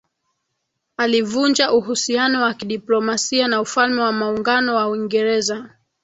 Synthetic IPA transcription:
alivund͡ʒaʔuɦusianɔwakiɗiplɔmasianaufalmɛwamauŋɡanɔwauiŋɡɛɾɛza

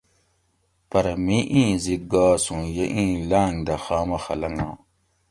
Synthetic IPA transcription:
pɐɾɐmiʔĩːziɡaːsũjeʔĩːlaːŋd̪ɐxaːmɐxɐlɐŋãː

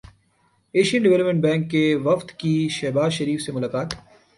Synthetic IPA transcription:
eːʃijə̃nɖɪʋɛləpmẽɳʈ̚bɛ̃ːŋkːeʋɐft̪kiʃɛɦbaːzʃɐɾiːfsemʊlaːkaːt̪

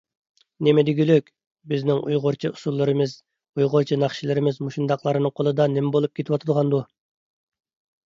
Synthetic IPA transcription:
nemed̪iɡʲyløkʲ | bɪznɪŋʔujʁoɾt͡ʃʰiusulˠːɨɾɨmɨz | ujʁoɾt͡ʃʰinɑχʃilɪɾɪmɪzmuʃind̪ɑqlˠɑɾɨnɨŋqʰolˠɨd̪ɑnemɛbolˠup̚kʰʲet̪ʰɪwɑt̪ʰɨd̪ʁɑnd̪u

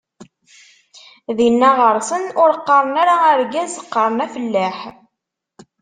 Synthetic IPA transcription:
ðinːæʁəɾˤsənʊɾəqːɑɾˤənaɾaəɾɡæzəqːɑɾˤnæfəlːæħ

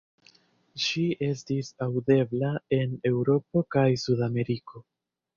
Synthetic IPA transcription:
ʃiʔe̞stisawde̞blae̞ne̞wɾo̞po̞kajsudame̞ɾiko̞

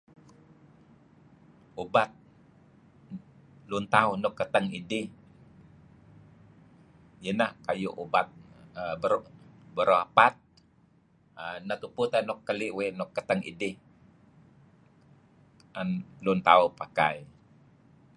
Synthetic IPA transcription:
ubat̪̚ | lunt̪aunɔkːət̪əŋidɪh | jənakajṵʔubat̪̚əbəɾobəɾoapat̪̚ | ənat̪upʊt̪anɔkːəliʔwenɔkːət̪əŋḭdɪh | anlʊnt̪aupakai

